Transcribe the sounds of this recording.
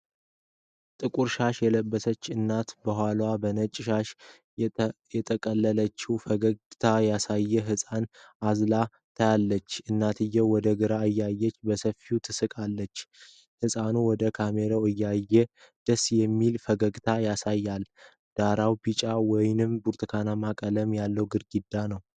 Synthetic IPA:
t̪ʼɨkʼuɾʃaʃjɛləbːəsət͡ʃːɨnːat̪bəɦʷalwabənət͡ʃʼːʃaʃ | jɛt̪ʼʰəkʼəlːələt͡ʃːɪufəɡəɡt̪ʰajasajːɛɦɨsʼanazla | t̪ʰəjalːət͡ʃːɨnːat̪ʰɨjːɛwɔd̪əɡɨɾaɨjːajːɛt͡ʃːbəsəfiut̪ʰɨsɨkʼalːət͡ʃː | hɨsʼanuwɔd̪əkʰameɾowɨjːajːɛd̪̥əsːjɛmːilfəɡəɡt̪ʰajasajːal | d̪̥aɾawbit͡ʃʼawɔjnɨmbuɾt̪ʰkʰanamakʼələmjalːəwɡɨɾɡid̪ːanəw

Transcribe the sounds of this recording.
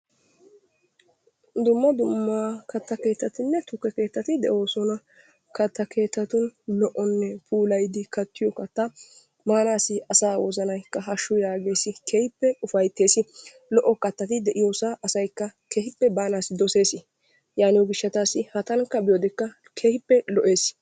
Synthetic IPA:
d̪ʊmːɐd̪ʊmːaːkɐt̪ːɐke̞ːt̪ːɐt̪ɪnːɛt̪ʊkːɛke̞ːt̪ːɐt̪ɪd̪ɛ̰ʔo̞ːsɔnɐ | kɐt̪ːɐkʰe̞ːt̪ːɐt̪ʊnlɔʔɔnːɛpʰuːlɐjd̪ɪkɐt̪ːɪjɔkɐt̪ːɐ | maːnaːsɪɐsaːwɔ̰zɐnɐjkːɐɦɐʃːʊjaːɡe̞ːsɪkʰeːhɪpːɛʊfɐjt̪ːe̞ːsɪ | lɔʔːɔkɐt̪ːɐt̪ɪd̪ɛʔɪjoːsaʔɐsɐjkːɐkʰehɪpːɛbaːnaːsɪd̪ɔse̞ːsɪ | jaːnɪwɔɡɪʃːɐt̪aːsɪhɐt̪ɐŋkːɐbɪjɔd̪ɛkːɐ | kʰehɪpːɛlɔʔe̞ːs

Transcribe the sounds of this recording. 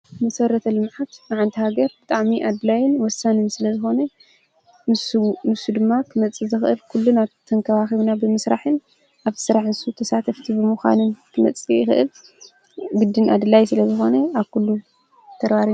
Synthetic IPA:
mɐsɐɾɐt̪ʰɐlɨmʕat̪nɨʕant̪ʰihaɡɐɾbɨt̪ʼaʕmiʔad̪ɨlajɪnwɔsːanɨnsɨlɐzɨxo̞nɐ | nɨsunɨsud̪ɨmːakʰɨmɐt͡sʼːɨzɨxʔɨlkʰulːunat̪ʰɐŋkʰɐβaxiβnabɨmɨsɾaħɨn | ʔaβʰɨ̥sɨɾaħɨnsut̪ʰɐsat̪ʰɐft̪ʰibɨmuxa̰nɨnkʰɨmɐ̰t͡sʼːijɪxɨʔɨl | ɡɨd̪ːɨnʔa̰d̪ɨlajsɨlɐzɨxo̞nɐaβkʰulːu | t̪ʰɐɡbaɾi

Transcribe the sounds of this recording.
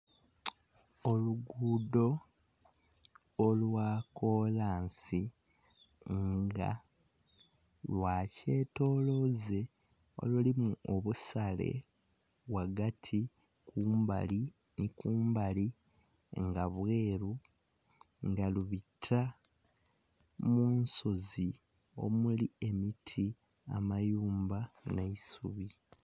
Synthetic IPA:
o̞luɡuːdo̞ | lwaːko̞laːnsi | ŋɡa̰ | lwaːce̞ːto̞ːlo̞ze̞ | o̞̰lulimuoβusale̞̰ | βwaɡatʰi | kʰuːmba̰li | nikuːmbali | ŋɡaβwe̞ːɾu | ŋɡaluβitʰa | muːnsozi | o̞̰mulie̞mitʰi | a̰majuːmbaneisuβi

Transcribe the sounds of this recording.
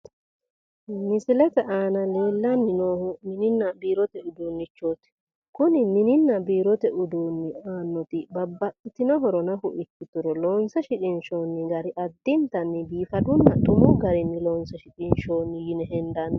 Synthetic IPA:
mɪsɪlɛt̪ɛʔaːnɐleːlːɐnːɪnoːhʊmɪnɪnːɐbiːɾɔt̪ɛʊd̪uːnːɪt͡ʃːoːt̪ɪ̥ | kʊnɪmɪnɪnːɐbiːɾɔt̪ɛʊd̪uːnːɪaːnːɔt̪ɪbɐbːɐkʼːɪt̪ɪnɔɦɔɾɔnɐhʊʔɪkːɪt̪ːʊɾɔloːnsɐʃɪt͡ʃʼɪnʃoːnːɪɡɐɾɪʔɐd̪ːɪnt̪ɐnːɪbiːfɐd̪ʊnːɐt̪ʊmʊɡɐɾɪnːɪloːnsɐʃɪt͡ʃʼɪnʃo̞ːnːɪjɪnɛhɛnd̪ɐnː

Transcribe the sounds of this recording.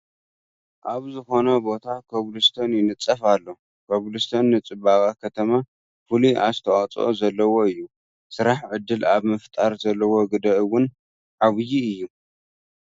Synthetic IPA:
ʔaβzɨxo̞nɐbo̞t̪ʰakʰoβlɨst̪ʰonjɪnɨt͡sʼːɐfalːo | kʰoβlɨst̪ʰonːɨt͡sʼɨbaβakʰɐt̪ʰɐma | fɨliʔa̰st̪ʰɐwat͡sʼo̞̰zɐlːɐwo̞ɨjːu | sɨɾaħʕɨd̪ːɨlaβmɨft̪ʼaɾzɐlːɐwo̞ɡɨd̪ɐʔɨwʊn | ʕaβɨjiɨjːu

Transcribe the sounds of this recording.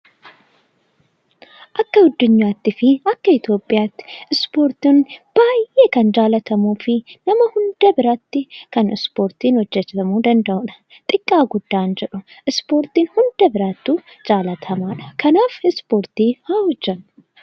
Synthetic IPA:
ʔɐkːɐɡʊd̪ːʊɲːaːt̪ːɪfɪɐkːɐɪt̪jo̞ːpʼːɪjaːt̪ːɪ̥ɪspo̞ːɾt̪iːnb̥aːjeːkɐnd͡ʒaːlɐt̪ʰɐmuːfɪnɐmɐhʊnd̪̥ɐbɪɾɐt̪ːɪkɐnɪspo̞ːɾt̪iːnhɔd͡ʒːɛt͡ʃ̪ɐmuːd̪ɐnd̪ɐʔʊᶑɐ̥ | t̪ʼɪkʼːaːɡʊd̪ːaːnd͡ʒɛᶑʊʔɪspo̞ːɾt̪iːnhʊnd̪̥ɐbɪɾat̪ːuː | d͡ʒʼaːlɐt̪ʰɐmaːᶑɐ̥kʰɐnaːfɪspo̞ːɾt̪iːhahɔd͡ʒːɐn

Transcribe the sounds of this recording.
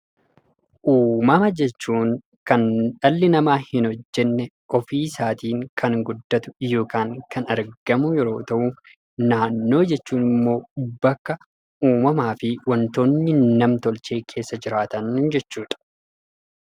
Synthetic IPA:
ʔuːmɐmɐd͡ʒɛt͡ʃːuːŋ | kɐnᶑɐlːɪnɐmaːhɪnɔd͡ʒːɛnːɛ | ʔɔfiːsaːt̪iːŋkʰɐŋɡʊd̪ːɐt̪ʊ̥jo̞ːkaːŋkɐnɐɾɡ̥ɐmʊjɛɾo̞ːt̪ɐʔu | naːnːo̞ːd͡ʒɛt͡ʃːuːnɪmːo̞ːbɐkːɐ | ʔuːmɐmaːfɪwɐnt̪o̞ːnːɪnɐmt̪ɔlt͡ʃe̞ːkʰe̞ːsːɐd͡ʒɪɾaːt̪ɐnd͡ʒɛt͡ʃːuːᶑ̪ɐ̥

